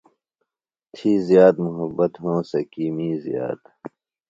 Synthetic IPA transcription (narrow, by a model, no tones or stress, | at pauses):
t̪ʰiːzjaːd̪muɦɐbːɐt̪ɦõːsɐkiːmiːzija̰ːd̪